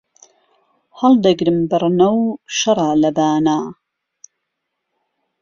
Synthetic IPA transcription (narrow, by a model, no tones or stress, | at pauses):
hɐld̪ɐɡɾɨmbɨrnɐwʃɐɾˤɑːlɐbaːnaː